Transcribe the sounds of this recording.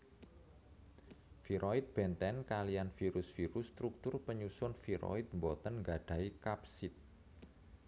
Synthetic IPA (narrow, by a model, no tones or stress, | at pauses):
fiɾʔoit̪̚b̥ɛnt̪ɛnkalianfiɾʊsfiɾʊst̪ɾuk̚t̪ʊrpəɲusʊnfiɾo̰it̪̚mbɔt̪ənŋɡaɖ̥a̤ikapsɪt̪̚